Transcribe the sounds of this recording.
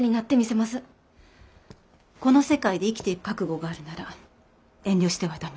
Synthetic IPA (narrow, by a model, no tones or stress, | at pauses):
ɲ̟inat̪ːe̞mʲise̞masɨ | ko̞no̞se̞kaid̪e̞ikʲi̥t̪e̞iɾɯ̟kakɯ̟ɡo̞ɡaːɾɯ̟naɾa | ẽ̞ɲʲdʲo̞ɕi̥t̪e̞βat̪ame